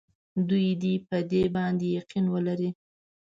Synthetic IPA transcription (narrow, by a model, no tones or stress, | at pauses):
d̪ujd̪ipəd̪ebɑnd̪ejaqinwəlaɾi